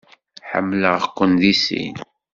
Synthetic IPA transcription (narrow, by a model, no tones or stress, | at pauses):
ħə̰mːləʁəqʷːənðisḭn